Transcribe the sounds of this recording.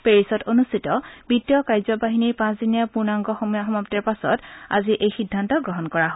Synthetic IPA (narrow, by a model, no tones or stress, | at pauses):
peɹisɔtonustʰitɔb̥itjɔkajzɔbaɦiniɹpãsdinijapuɹnaŋɡɔxɔxɔmaptɛɹpasɔ̰ta̰ziʔejxidʱːantɔɡɹɔɦɔnkɔɹaɦo